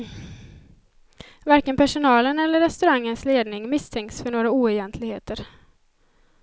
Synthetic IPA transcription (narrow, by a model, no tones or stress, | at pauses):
vaɾkənpʰæʂʊnɑːlənɛlːəɾːɛst̪ɵɾaŋːənsleːd̪nɪŋmɪst̪ʰɛŋkt̪sfœɳoːɾauːɛjɛnt̪ʰlɪɡheːt̪əɾ